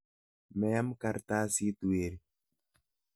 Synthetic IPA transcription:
mɛ˨a˦mka˨ɾt̪a˦si˦t̪u˨eɾi

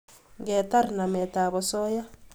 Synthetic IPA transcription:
ŋɡe˨t̪a˦ɾi˨na˨mɛ˨t̪a˨βɔ˨so˦ja˦

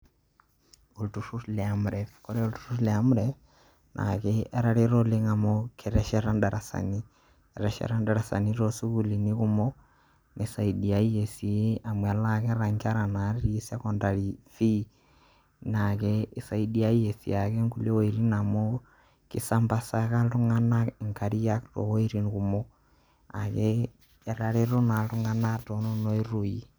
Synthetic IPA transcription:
o˨ltu˨su˦tlɛ˨amɾɛfkɔ˦ɾɛ˦o˦ltu̥˨ɾu˦lɛ˨a˨mu˦ɾɛ | nʔa̰kɛɛ˦ɾa˦ɾe˦ɾɔ˦le˦ŋa˨mɔkʰɛ˨ɾɛ˨ʃɛɾa˦nda˨ɾa˨sa̰˨ni˦ | ɛ˨ɾɛʃɛ̰˨ɾa˦nda˨ɾa˨sa̰˨niɾo˨su˦kuli˨ni˦ku˦mɔ | nesa˨idi˨a˨i˦jesi˨e˦a˨mwa˨lakɛ˦ɾaŋɡa˦ɾa˨na˨˦ɾɾi˦e˦sa˦kɔnda˨ɾi˨fi˦ | nakɛː˨sa˨i˦di˦a˦i˦je˨sḭ˨akɛ˦ŋku˦le˦o˦e˨ɾi˦na˨mo˦ | ki˨samba˨sa˨ka˦tu˦ŋa˦na˦ŋka˨ɾi˦jakto̰we˦ɾi˦nkumo | a˨kɛː˨ | ɾa˨ɾe˦ɾo˦na˨tu˦ŋa˦na˦to˨no˦no˦e˦ɾo˨i˨

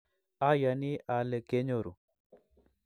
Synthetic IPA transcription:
a˦ja˨ni˦a˨lɛ˨ke˦ɲo˨ɾṵ˨

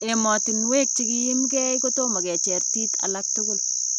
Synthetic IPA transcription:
e˨mɔ˨tɪ˨nwe˦k̚t͡ʃi˦ki˦jɪ˦mkɛ˦jko˦to˦ma˨kɛ˨t͡ʃɛɾti˦ka̰˨lak̚tʊ˦ɡo˦l

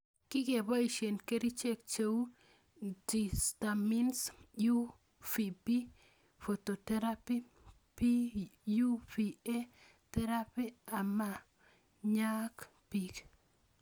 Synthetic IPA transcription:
ki˦ke˨bɔ˦i˨ʃe˨nke˦ɾi˦t͡ʃe˦k̚t͡ʃe˦wu˦ | di˨sta˨mi˦nsju˦ | fi˨pi˦ | fo˨to˨tɛ˦ɾapi˦ | piju˦fi˨e˦ | tɛ˦ɾa˦pi˦a˨ma˦ | ɲa˦k | pi˨k

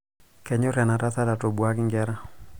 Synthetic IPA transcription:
kɛ˨ɲo˦ɾja˨na˨ɾa˦ta˦ɾa˨to˨bwa˦kɪ˦ŋɡɛ˦ɾa˦

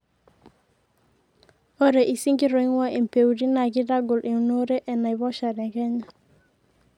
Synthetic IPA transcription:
o˦ɾe˨ʔi˨si˦ŋɡi˦ɾo˨i˦ŋwa˦ʔi˨m̩˨pe˨wu˨ɾi˦na˨ki˦da˦ɡo˨lʔi˨no˦ɾe˦ʔɛ˨na˨i˨βɔ˦ʃa˨ɾɛ˨kɛ˦ɲa˨

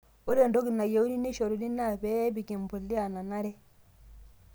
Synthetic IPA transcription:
u˦ɾe˦˨ndo˦ɡi˨na˨je˨u˦ni˦ne˦ʃɔ˨ɾu˨li˦na˦˨bɛ˦bi˨ki˨m˨bu˨lːi˦a˨na˨na˦ɾɛ˦

